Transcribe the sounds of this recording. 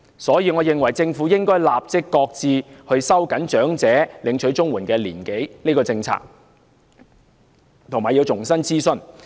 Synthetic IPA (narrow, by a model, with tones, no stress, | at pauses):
sɔː˨˥jiː˨˧ŋɔː˨˧jɪ˨˧ŋwɐ˨˩jt͡sɪ˧ŋfuː˨˥jɪ˥ŋkɔː˥jlaː˨p̚t͡sɪ˥kːɔː˧k̚t͡siː˧hɵ˧ɥsɐ˥wkɐ˨˥nt͡ʃœː˨˥ŋt͡sɛː˨˥lɪ˨˧ŋt͡ʃʰɵ˨˥ɥt͡sʊ˥ŋwuː˨˩nkɛː˧lḭː˨˩nke˨˥jni˥kɔː˧t͡sɪ˧ŋt͡sʰa̰ː˧˥k̚ | t̪ʰʊ˨˩ŋmaː˨˩jiː˧wt͡sʊ˨˩ŋsɐ˥nt͡siː˥sɵ˧n